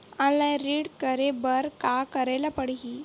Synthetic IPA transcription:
ãnlajɾiːɽkəɾebəɾkakəɾajlapəɽɦi

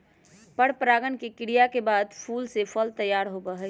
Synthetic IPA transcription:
pəɽpɾaːɡənkekɪɽijakebaːd̪pʰuːlsepʰəlt̪əjaːɾɦobəɦɛ

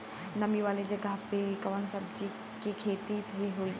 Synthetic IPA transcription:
nɐmiʋaːled͡ʒɐɡəɦpekɐʋənsɐbd͡ʒi | kikʰeːt̪isɦeɦoiː

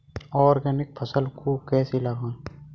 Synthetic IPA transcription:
ɔːɾɡɛːnɪk̚pʰɐsəlkʰokɛːsilɐɡãː

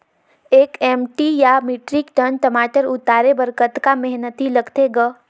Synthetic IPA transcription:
eːkɛːmʈijamiːʈɾɪkʈənʈəmaːʈəɾʊt̪aːɾebəɾkət̪kamɛɦnət̪ilɐɡt̪eɡə

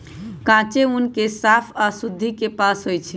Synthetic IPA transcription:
kãt͡ʃeunkesapʰasud̪ʱːikepasɦojt͡ʃʰi

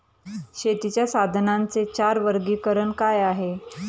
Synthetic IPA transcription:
ɕet̪it͡ɕjasad̪ʱnant͡set͡ɕaɾʋəɾɡiːkəɾəɳkajaɦe

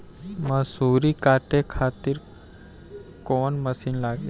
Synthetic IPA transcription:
mɐsuːɾikaːʈekʰaːt̪ɪɾ | koːnməsiːnlaːɡe

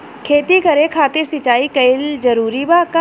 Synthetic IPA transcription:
kʰeːt̪ikəɾekʰaːt̪ɪɾsɪt͡ʃaːikəɪld͡ʒəɾuːɾibaːka

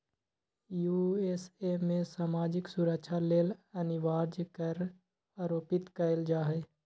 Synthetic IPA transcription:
juːeːsemẽsaːmaːd͡ʒɪksʊɾəkʃʰaleːlɐnɪʋaːɾd͡ʒkəɾ | aːɾoːpɪt̪kɐɪld͡ʒaːɦeː

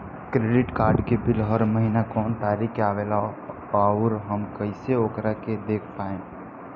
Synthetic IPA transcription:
kɾeɖɪʈkaːɾɖkebɪlɦəɾməɦinakɔːnt̪aɾikaʋela | aʊɾɦəmkəɪseoːkɾaked̪eːkʰpae

